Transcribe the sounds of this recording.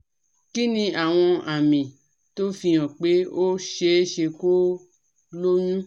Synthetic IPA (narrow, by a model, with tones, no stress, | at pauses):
ki˦nĩ˧a˨w̃ɔ̃˧a˨mĩ˨ | to˦fĩ˧ɔ̃˨k͡pe˨˦o˦ʃe˧˦ʃe˧ko˦ | lo˦ɲũ˦